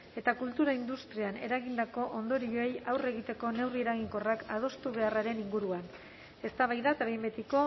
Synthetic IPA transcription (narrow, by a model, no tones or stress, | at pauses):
e̞t̪akult̪uɾaind̪ust̪ɾiane̞̰ɾaɣind̪ako̞ʔo̞nd̪o̞ɾioe̞jawre̞ɣit̪e̞ko̞ne̞wrie̞ɾaɣiŋko̞rakað̞o̞st̪uβe̞araɾe̞niŋɡuɾuan | e̞st̪aβajðat̪aβejmbe̞t̪iko̞